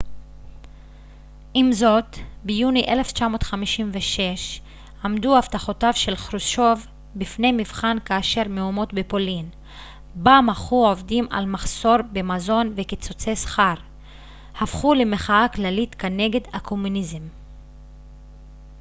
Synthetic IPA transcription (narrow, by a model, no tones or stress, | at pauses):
ʔimzo̞tbejuniʔe̞le̞ft͡ʃamo̞ːtχamiʃimveʃe̞ʃ | amd̪uaftaχo̞tavʃe̞lχɾuʃo̞v | bifne̞jmivχankaːʃe̞ʁmeumo̞tbepo̞lin | bamaχuovdima̰lmaχso̞ɾbemazo̞nvekit͡sot͡sejsχaʁ | hafχulemeχaaklalit̪kane̞ɡe̞d̪hakʰo̞munizem